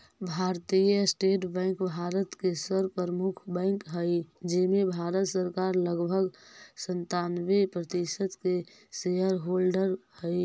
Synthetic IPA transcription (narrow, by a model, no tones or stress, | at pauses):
bʱaːɾt̪ijəsʈeːʈbɛ̃ːŋkbʱaːɾət̪kesəɾpəɾəmʊkʰbɛ̃ːŋkɦəid͡ʒemẽbʱaːɾət̪səɾkaːɾləɡbʱəɡsənt̪aːnwepɾət̪ɪsət̪ke | seɦəɾɦoːlɖəɾhɛɪ